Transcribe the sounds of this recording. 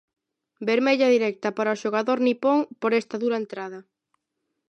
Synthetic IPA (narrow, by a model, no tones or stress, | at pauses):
beɾmeʎɐðiɾɛk̚t̪ɐpaɾɐoʃoɣ̞aðoɾnipoŋpoɾɛst̪ɐðuɾɐent̪ɾaðɐ